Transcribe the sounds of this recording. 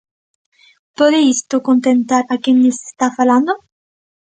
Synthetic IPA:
pɔd̪eist̪okont̪ent̪aɾakːenːese̥st̪afaland̪o

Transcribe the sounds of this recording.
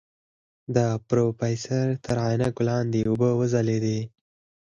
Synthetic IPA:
d̪əpɾopɑjsaɾt̪ʰəɾɑjnaklɑnd̪eʊbəwəzaled̪e

